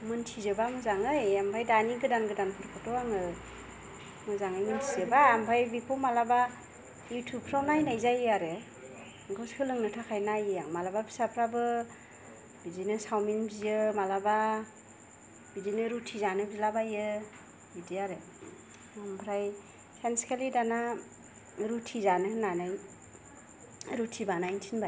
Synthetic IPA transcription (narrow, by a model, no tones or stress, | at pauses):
mɯntʰizɯbamɯzaŋɯjampʰajdaniɡɯdanɡɯdanpʰɯɾkʰɯtɔaŋɯ | mɯzaŋɯjmɯntʰizɯbaːmpʰajbipʰɔmalaba | jutʰup̚ʰɾawnajnajzajaɾɯ | ɡɯskʰɯlɯŋnɯtʰakʰajnajɯaŋmalababʰi̥sapʰɾabɯ | bidinɯsawminbzijɯmalaba | b̥idinɯɾutʰizanɯbzilabajɯ | bidiaɾɯ | ampʰɾaj | sanskʰalidana | ɾutʰizanɯnanaj | ɾutʰibanajntʰinba